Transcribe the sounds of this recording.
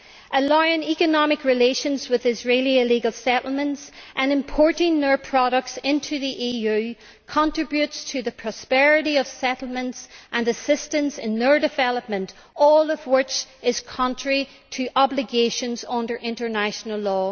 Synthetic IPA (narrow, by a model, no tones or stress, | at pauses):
ʔəlaɪɪ̃ŋikɨnɑmɪkɹɪleʃə̃nzwɪðɪzɹelˠiɪliɡəlˠsɛʔl̩ˠmə̃ntsʔə̃nɨ̃mpʰɔɹɾɪ̃ŋðə˞pʰɹ̥ɑɾək̚tsɪ̃ntʰʉðiʔijʉ | kʰə̃ntɹ̥ɪbjʉtstʰɨðɨpʰɹ̥ɔspɛɹɪɾiʌv̥sɛɾl̩ˠmə̃ntsʔə̃nəsɪstə̃nsɪ̃nðə˞dɨvɛlˠəp̚mə̃nt | ɔlˠʌvwɪt͡ʃɪz̥kʰɑ̃ntɹ̥ə˞i | ɾʰəʔɑblɪɡeʃə̃nzʌ̃ndə˞ʔɪ̃ntə˞naʃənəlˠɔː